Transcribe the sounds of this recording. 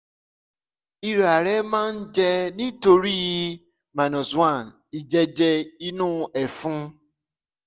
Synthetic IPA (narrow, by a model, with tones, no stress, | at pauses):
i˧ɾa˨ɾɛ˦mãː˦n̩˦d͡ʒɛ˧nĩ˦to˧ɾi˦ji˧ | mã˨nɔ̃˨zu˦ã˦˨n | i˨d͡ʒɛ˧d͡ʒɛ˧i˧nũ˦˨ɛ˨fũ˦